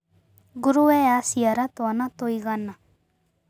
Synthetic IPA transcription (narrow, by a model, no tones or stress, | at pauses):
ɡʊɾuɛasijaɾat̪oanat̪oiɡana